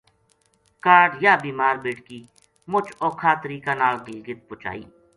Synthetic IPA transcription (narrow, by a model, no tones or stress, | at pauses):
kaːɾɖjaːbiːmaːɾbeːʈkiː | mʊt͡ʃɔːkʰaːt̪əɾiːkanaːlɡɪlɡɪt̪̚pʊt͡ʃa̰ːḭː